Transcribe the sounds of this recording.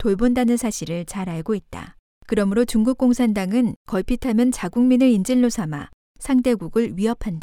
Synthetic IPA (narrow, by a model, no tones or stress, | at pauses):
toɭbondanɯnsʰaɕʰiɾɯɭt͡ɕaɾaɭɡoit̚t͈a̰ | kɯɾʌmɯɾot͡ɕuŋɡuk̚k͈oŋsʰandaŋɯnkʌɭpʰitʰamjʌnt͡ɕaɡuŋminɯind͡ʑiɭːosʰama̰ | sʰaŋde̞ɡuɡɯɭɥiɦʌpʰanda